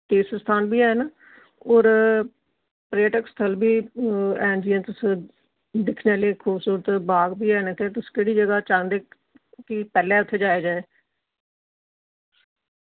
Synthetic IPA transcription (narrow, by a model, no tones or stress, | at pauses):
t̪eːsəst̪ʰaːnbiːɛːn | ɔːɾ | pɾeːʈəkst̪ʰəlbiːɛːnd͡ʒijãnt̪ʊs | d̪ɪkʰnealeːkʰuːbsuːɾət̪baːɡbiːɛːnt̪eːt̪ʊskeːɽiːd͡ʒəɡaːt͡ʃaŋd̪eː | kɪpɛːlɛːʊt̪ʰːeːd͡ʒaːjaːd͡ʒaːeː